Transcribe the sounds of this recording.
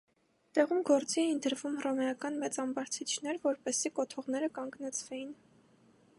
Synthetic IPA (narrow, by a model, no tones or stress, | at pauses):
t̪ɛʁumɡɔɾt͡siɛind̪əɾvumhrɔmɛɑkɑnmɛt͡sɑmbɑɾt͡sʰit͡ʃʰnɛɾvɔɾpɛsikɔt̪ʰɔʁnɛɾəkɑŋɡnɛt͡sʰvɛjin